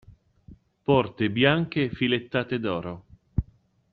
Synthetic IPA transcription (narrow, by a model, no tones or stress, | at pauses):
pɔrt̪ebjaŋk̟efilet̪ːaːt̪ed̪ɔːɾo